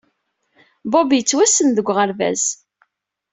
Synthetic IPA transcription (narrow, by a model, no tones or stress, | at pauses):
bobijət͡sːwæsənðəɡʷːʁəɾvæ̰z